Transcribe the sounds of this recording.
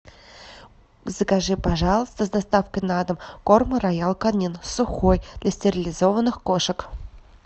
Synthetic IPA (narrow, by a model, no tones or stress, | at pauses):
zəkaʐɨpɐʐɑlˠəst̪əzd̪ɐst̪afkəjnad̪əmkormɨɾɐjalˠkɐnʲinsʊxojd̪̥lʲɐsʲtʲɪɾʲɪlʲɪzo̞vənːɨxkoʂək